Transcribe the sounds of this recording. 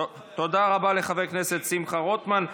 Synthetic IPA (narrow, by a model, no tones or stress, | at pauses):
t̪od̪aʁabale̞χavejkneset̪simχaʁot̪man